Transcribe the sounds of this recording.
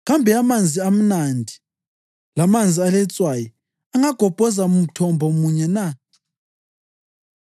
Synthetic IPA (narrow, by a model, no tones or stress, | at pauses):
ɣambʱɛamand͡zʱiam̩nandʱi | lamand͡zʱialɛt͡sʼwaji | aŋaɡ̥ʱɔb̥ʱɔzaum̩tʰɔmbʱɔmuɲɛna